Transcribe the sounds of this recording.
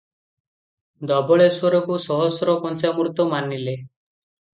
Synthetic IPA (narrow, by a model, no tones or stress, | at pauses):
d̪ɔbɔɭeswɔɾɔkusɔɦɔsɾɔpɔnt͡ʃamuɾut̪ɔmanile